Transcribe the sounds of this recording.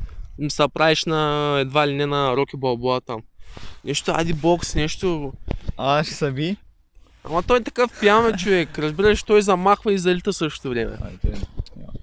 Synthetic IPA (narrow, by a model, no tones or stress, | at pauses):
misɐpɾavɛʃnɐɛd̪vailʲinɛnɐɾokʲibɐlˠbuat̪amnʲɛʃt̪ʊa̰d̪iboksnɛʃt̪o | aʃsɐbʲi | a̰mɐt̪ojɛt̪ɐkəfpjamɛt͡ʃovɛkɾɐzbiɾəʃt̪ojzɐmaxvɐizɐlʲit̪əsɤʃt̪o̥t̪ovɾʲɛmɛ̰